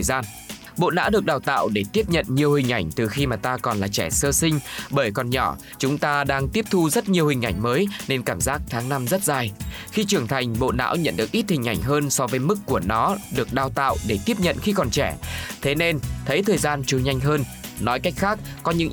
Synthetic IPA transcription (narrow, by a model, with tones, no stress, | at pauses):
zaː˧n | ɓo̰˧˨na̰ː˧˥wɗɨ˨˩ək̚ɗaː˧˩wt̪a̰ː˧˨wɗe˧˩t̪i˦˥əp̚ɲə̰˧˨nɲi˨˩əwhï˨˩ŋ̟ʔa˧˩jŋ̟t̪ɨ˨˩xi˧maː˨˩t̪aː˧kɔ˨˩nlaː˨˩t͡ɕɛ˧˩səː˧sï˧ŋ̟ɓəː˧˩jkɔ˨˩nɲɔ˧˩ | t͡ɕʊ˨˦ŋ͡mt̪aː˧ɗaː˧ŋt̪i˦˥əp̚t̪ʰu˧zə˦˥t̚ɲi˨˩əwhï˨˩ŋ̟ʔa˧˩jŋ̟məː˨˦jne˧nkaː˧˩mzaː˦˥k̚t̪ʰaː˨˦ŋna˧mzə˦˥t̚zaː˧˩jxi˧t͡ɕɨ˨˩əŋt̪ʰa˨˩jŋ̟ɓo̰˧˨na̰ː˧˥wɲə̰˧˨nɗɨ˨˩ək̚ʔi˦˥t̚hï˨˩ŋ̟ʔa˧˩jŋ̟ɦəː˧nsɔ˧vəː˨˦jmɨ˦˥kːu˧˩ənɔ˨˦ɗɨ˨˩ək̚ɗaː˧˩wt̪a̰ː˧˨wɗe˧˩t̪i˦˥əp̚ɲə̰˧˨nxi˧kɔ˨˩nt͡ɕɛ˧˩t̪ʰe˨˦ne˧nt̪ʰə˨˦jt̪ʰəː˨˩jzaː˧nt͡ɕu˧˩ɲa˧jŋ̟ɦəː˧nnɔ˨˦jka˦˥jk̟̚xaː˦˥k̚ | kɔ˨˦ɲɨ̰˧˥ŋ